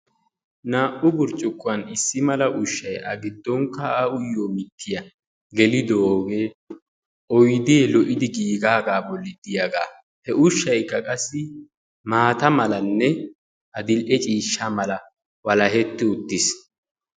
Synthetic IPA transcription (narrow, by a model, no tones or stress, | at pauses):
naːʔʊbʊɾt͡ʃʼʊkːʊɐnɪsːɪmɐlɐʔʊʃːɐjɐɡɪd̪ːɔŋkːɐːʊjːoːmɪt̪ʰːɪjɐ | ɡɛlɪd̪oːɡeː | ʔɔjd̪ilɔʔɪd̪ɪɡiːɡaːɡaːbɔlːɪd̪ɪjɐɡa̰ː | hɛʔʊʃːɐjkːɐkʼɐsːɪ | maːt̪ɐmɐlɐnːɛ | ʔɐd̪ɪlʔɛt͡ʃʼiːʃːamɐlɐ | wɐlɐɦɛt̪ːɪʊt̪ːɪs